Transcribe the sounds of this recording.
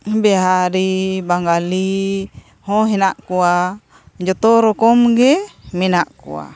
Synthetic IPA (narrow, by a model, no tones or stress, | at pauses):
bɛɦaɾibaŋɡali | hɔɦenaʔkua | d͡ʒɔt̪ɔɾɔkɔmɡeminaʔkṵa̰